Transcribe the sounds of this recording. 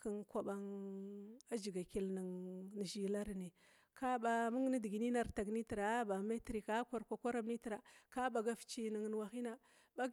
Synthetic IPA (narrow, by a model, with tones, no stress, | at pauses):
ki˨ŋkʷa˨ba˦ŋ | a˦d͡ʒi˨ɡa˨ki˨lni˨ŋn˨ʒi˨la˦ɾne˨ | ka˦ba˨mu˦ŋ˦ni˦di˨ɡi˨ni˦na˨ɾta˨ɡni˦ti˨ɾa˨˦ba˨me˦tɾi˨kːka˨ɾkʷa˨kʷa˦ɾa˦mni˦ti˨ɾa˨ka˦ba˨ɡa˦ft͡ʃi˨ni˨ŋ˨n˨wa˨xi˦na˦ | ba˦